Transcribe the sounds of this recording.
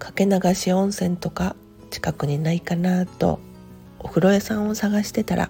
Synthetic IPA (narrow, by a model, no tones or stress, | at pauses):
kʰḁke̞naɡaɕiõ̞ɰ̃sẽ̞nt̪o̞ka | t͡ɕi̥kakɯ̟ɲ̟inaikanat̪o̞̰ | oɸɯ̟ɾo̞jasãɰ̃o̞saɡaɕi̥t̪e̞t̪aɾʔa̰